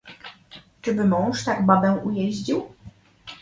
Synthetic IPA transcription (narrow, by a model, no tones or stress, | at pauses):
t͡ʂɘbɘmɔ̃w̃ʂt̪aɡbabɛwʔujɛʑd͡ʑiw